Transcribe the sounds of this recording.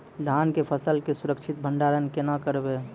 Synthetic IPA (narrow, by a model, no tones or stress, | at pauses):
d̪ʱaːnkepʰəsəlkesʊɾəkt͡ʃʰɪt̪̚bʱəɳɖaːɾənkenakəɾbe